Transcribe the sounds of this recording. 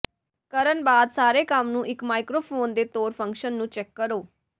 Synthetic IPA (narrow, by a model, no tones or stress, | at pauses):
kəɾənbaːd̪saːɾeːkəmnũːʔɪkmaːɪkɾoːpʰoːnd̪eːt̪oːɾpʰə̃ŋkʃənːũːt͡ʃɛkːəɾoː